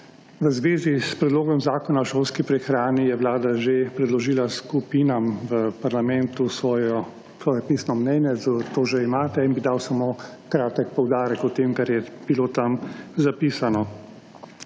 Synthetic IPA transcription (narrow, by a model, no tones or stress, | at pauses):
ʋəzʋeːzispɾɛd̪loːɡɔmzaːkɔnawʃoːlskipɾɛxɾaːnijɛwlaːd̪aʒepɾɛd̪lɔʒiːlaskupiːnamʋəpaɾlamɛnt̪usɔj | sʋɔːjɛpisnɔmnɛːnjɛzat̪oːʒeimaːt̪ɛinbid̪awsamoː | kɾaːt̪ɛkpɔwd̪aːɾɛkɔt̪eːmkaɾjɛb̥ilot̪amzapiːsanɔ